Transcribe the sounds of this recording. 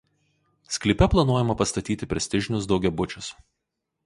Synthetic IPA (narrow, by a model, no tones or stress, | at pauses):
sʲklʲɪpʲɛplˠɐnuɔjɛmɐpɐst̪ɐt̪ʲiːt̪ʲɪpʲɾʲɛsʲt̪ʲɪʒʲɪnʲʊs̬d̪ɒʊɡʲɛbʊt͡ʃʲʊs